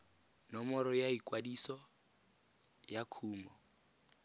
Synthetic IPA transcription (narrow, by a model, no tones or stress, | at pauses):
nɔmɔɾɔjaikʼwadisɔ | jakʰuːmɔ